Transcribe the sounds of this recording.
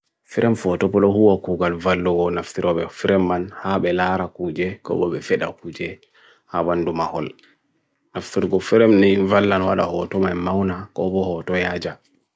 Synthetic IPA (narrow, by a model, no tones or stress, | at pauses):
fiɾʔɛmfɔtɔpːɔlɔhuwakuːɡalvalːɔɡɔnaftiɾɔɓɛfiɾɛmːanhaɓɛlaɾakud͡ʒɛkɔ̰ɓɔɓɛfɛɗa̰kuːd͡ʒɛ | habandumahɔl | naftiɾɡɔfiɾɛmnivalːanwaɗahɔtɔmajmawnakɔ̰bɔhɔtɔjaːd͡ʒa